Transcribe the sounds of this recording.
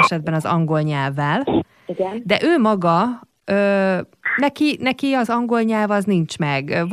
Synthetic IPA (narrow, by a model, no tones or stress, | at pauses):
ɛʃɛd̪̚bɛnɒzɒ̰ŋɡo̞lɲɛlvːɛl | ɡd̪ɛʔøːmɒɡɒ | øː | nɛkinɛkiɒzɒŋɡo̞lɲɛlvɒznint͡ʃmɛɡv